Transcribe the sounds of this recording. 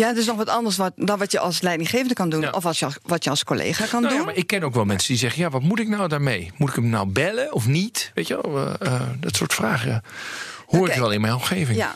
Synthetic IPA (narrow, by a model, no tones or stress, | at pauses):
jatɪsnɔxʋɔtɑndəɹsʋɔtdɔnʋɔtjəʔɑlˠslɛjdɪŋχeːvəndəkɑndunʔɔftjəʋɔtjəɑlˠskolḛːχakɑndunmaɪkːɛnoːwkʋɛlˠmɛnsədizɛɣənjaʋɔtmutɪk̚nawdaɹmejmutɪkəmnawbɛləɔfnitʋejtəɛ̰lˠdɔtsʊ̰ːɹtfraːxə | hoːrɪʋɛlˠɪnmɛjnɔmxeːvɪa